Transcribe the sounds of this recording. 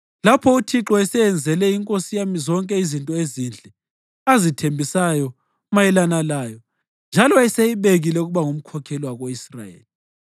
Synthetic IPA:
lapʰɔutʰiǁɔɛsɛjɛnd͡zʱɛlɛiŋkʼosijamizɔŋkʼɛizintʼɔezind͡ɮʱɛ | azitʰembʱisajɔ | majɛlanalaːjɔ | nd͡ʒʱalɔɛsejiβeɣilɛuɣuβaŋum̩kʰɔkʰɛliwaɣoisra̰jḛːli

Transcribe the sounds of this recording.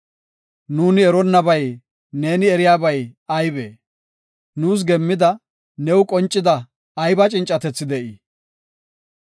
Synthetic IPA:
nuːnɪɛɾɔnːɐbɐj | ne̞ːnɪɛɾɪjaːbɐjɐjbḛː | nuːs̬ɡɛmːɪd̪ɐ | nɛwkʼɔnt͡ʃʼːɪd̪ɐː | jbɐt͡ʃʼɪnt͡ʃʼːɐt̪ɛt͡sːɪd̪ɛʔi

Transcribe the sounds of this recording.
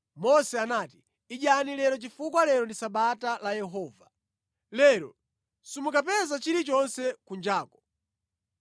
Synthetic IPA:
mɔsɛanati̥ | iʄanilɛɾɔt͡ʃifukwalɛɾɔndisaɓatalajɛɦɔːva | lɛɾɔ̰ | simukapɛzat͡ʃiɾit͡ʃɔnsɛkund͡ʒaːkɔ̥

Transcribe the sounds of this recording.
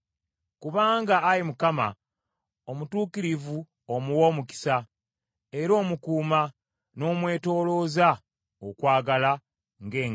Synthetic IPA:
kuβaːŋɡaːɾimukama̰ | omutuːkiɾivu | omuwo̞muki̥sa | e̞ɾo̞ːmukuːma | no̞ːmwe̞ːto̞ːlo̞za | okwaːɡala | ŋɡe̞ːŋ

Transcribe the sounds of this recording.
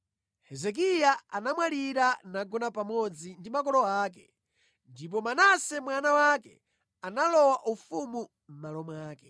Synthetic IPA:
hɛzɛk̬ijaanamwaliɾanaɡɔnapamɔd͡zindimakɔlɔaːkɛ | ndip̬ɔmanasɛmwanawakɛ̰ | analɔwaʔufumu | m̩malɔmwaːkɛ

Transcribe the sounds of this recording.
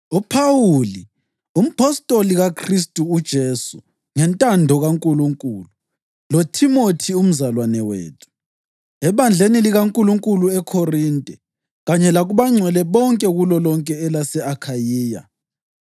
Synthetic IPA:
upʰawuli | um̩pʰɔstʼoliɣakʰristʼuːd̥ʒ̥ʱeːsu | ŋɛntʼandʱɔɣaŋkʼuluŋkʼulu | lotʰimotʰium̩zalwanɛwḛːtʰu̥ | ɛβand͡ɮʱeniliɣaŋkʼuluŋkʼuluɛkʰorintʼɛ | ɣaɲɛlaɣuβaŋ͡ǀʱwɛlɛβɔŋkʼɛɣulɔlɔŋkʼɛːlasɛakʰajiːja̰

